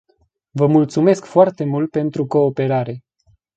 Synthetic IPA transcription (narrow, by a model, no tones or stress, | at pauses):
vəmult̪sume̞skfoart̪e̞mult̪̚pe̞nt̪ɾuko̞ːpe̞ɾaɾe̞